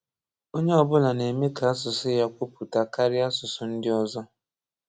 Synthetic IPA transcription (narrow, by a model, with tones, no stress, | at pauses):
o˦ɲe˦ɔ˨bʊ˦la˨ne˨me˦ka˨a˦sʊ˨sʊ˦ja˦kʷʊ˦pu˨ta˨ka˦ɾɪ˦a˦sʊ˨sʊ˨n̩˦dɪ˦ɔ˦zɔ˦